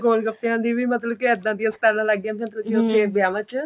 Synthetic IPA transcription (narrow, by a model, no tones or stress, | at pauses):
ɡoːlɡəp̚t̪iãːnd̪iːʋiːmət̪ləbkɪɪd̪ːãːd̪ijasʈaːɾãːlaɡjãːt̪mət̪ləkɪʊt̪ːeːbjaːmə̃t͡ʃ